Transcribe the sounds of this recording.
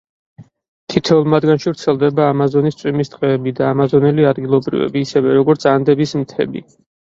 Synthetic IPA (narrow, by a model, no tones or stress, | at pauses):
t̪ʰit̪ʰɛulˠmad̪ɡanʃivɾt̪sʰɛlˠd̪ɛbaːmazɔnist̪sʼwimist̪ʼqʼɛːbid̪aːmazɔnɛliad̪ɡilˠɔbɾḭvɛ̰biːsɛvɛɾɔɡɔɾt̪sʰand̪ɛbismt̪ʰɛ̰bḭ